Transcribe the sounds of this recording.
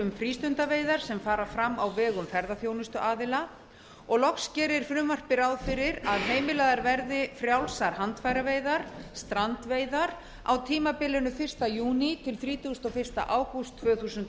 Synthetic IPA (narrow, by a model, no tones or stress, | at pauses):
ʏmfɾiːst̪ʏnt̪aveːjðaɾ̥sɛmfaːɾafɾamːawvɛːɣʏmfɛɾðaθjownʏst̪ʏʔaːðɪla | ɔɣlɔkscɛːɾɪɾ̥fɾʏmːar̥pɪɾawðfɪɾɪɾaðɦeːjmɪlaːðaɾvɛɾðɪfɾjawlsaɾ̥hant̪fajɾaveːjðaɾ̥st̪ɾant̪veːjðaɾ | a̰wt̪ʰiːmapɪlːɪnʏfɪr̥st̪ajuːnit̪ʰɪlθɾiːt̪uʏst̪ɔfɪ̥st̪a̰ʔaːwkʏst̪ʰːvœːθusʏnt̪